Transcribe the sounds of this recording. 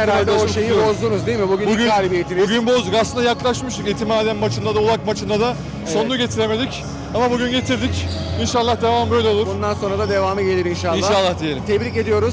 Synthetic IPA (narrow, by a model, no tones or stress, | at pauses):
eɾalʲd̪ɛoʃejibozd̪unuzd̪ejimibuɟynbuɟynaːɾʲibiet̪ʰimbuɟynbo̞zd̪ukaslɯnd̪ajaklˠaʃmɯʃt̪ukiːt̪ʰimaːd̪ænmat͡ʃʰɯnd̪ad̪aolˠak̚mat͡ʃʰɯnd̪ad̪a | so̞nuɟe̞t̪ʰiɾe̞me̞d̪ic | amabuɟynɟe̞t̪ʰiɾd̪icinʃalˠːahd̪e̞vaːmbø̞jlʲeo̞lˠuɾbund̪anso̞nɾad̪ad̪evaːmɯɟe̞lʲiɾinʃalinˠːʃaalˠːahd̪ijelʲimt̪ʰɛbɾice̞d̪ijo̞ɾuz